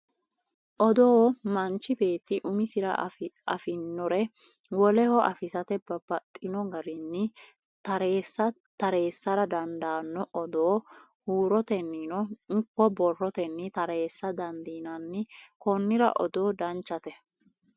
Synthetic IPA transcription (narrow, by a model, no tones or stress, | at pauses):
ʔɔd̪oːmɐnt͡ʃːɪbe̞ːt̪ːɪʔʊmɪsɪɾɐ̰ɐfɪnːɔɾɛ | wɔlɛhɔʔɐfɪsɐt̪ɛbɐbɐt̪ʼːɪnɔɡɐɾɪnːɪ | t̪ɐɾeːsːɐ | t̪ɐɾe̞ːsːɐɾɐd̪ɐnd̪aːnːɔʔɔd̪oː | huːɾɔt̪ɛnːinɔŋkːɔbɔrːɔt̪ɛnːɪt̪ɐɾeːsːɐd̪ɐnd̪iːnɐnːɪkɔnːɪɾɐ̰ʔɔ̰d̪o̞ːd̪ɐnt͡ʃːɐt̪ɛ